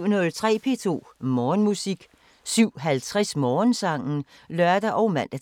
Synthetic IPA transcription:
ʊ̰nɔðˠt͡sʰʁɛ̰ːpʰe̝t͡sʰo̝̰ːmɒːnmusiɡ̥ | syʊ̰ɦælt͡sʰʁasmɒːnsɑ̈ŋ̰n̩ | lɶɐd̥ɐʔɒ̽ʊmæn̰d̥æ

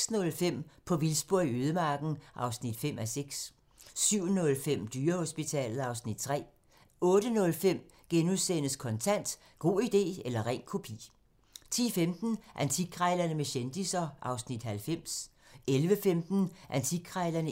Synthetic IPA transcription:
snɔ̽lfem̰pʰɒ̽ʋilsb̥o̝ɐ̰iøːð̞ˠəmɑ̈ːɡ̥n̩ʔɑ̈ʊsnid̥fem̰æseɡ̥s | syʊ̰nɔ̽lfem̰d̥yːɐho̝sb̥it͡sʰɛ̰ːlð̩ˠɑ̈ʊsnid̥̚t͡sʰʁɛ̰ː | ɔ̽ːɾ̥ənɔ̽lfem̰ | ɡ̥enuðˠsenəskʰɒ̽nt͡sʰæn̰d̥ | ɡ̥o̝̰ːid̥e̝̰ːelɐʁɛ̰ɪnkʰo̝pʰḭː | t͡sʰḭːfemd̥n̩ʔænt͡sʰiɡ̥̚kʰʁɑɪlɐnəmeɕend̥isɐʔɑ̈ʊsnid̥hælfem̰s | elʋəfemd̥n̩ʔænt͡sʰi̥ʁɑɪlɐnə

